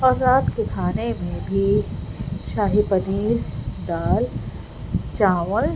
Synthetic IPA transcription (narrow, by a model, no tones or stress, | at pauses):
aːzaːt̪kekʰaːnemẽbʱi | ʃaːɦipəniːld̪aːl | t͡ʃaːʋəl